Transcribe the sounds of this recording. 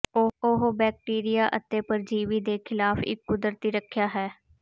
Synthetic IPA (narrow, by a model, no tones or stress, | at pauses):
ooɦobɛːk̚ʈiːɾɪjaːʔə̰t̪ːeːpəɾd͡ʒiːʋiːd̪eːkʰɪlaːfɪ̰kːʊd̪əɾt̪iːɾəkʰjaːɦɛː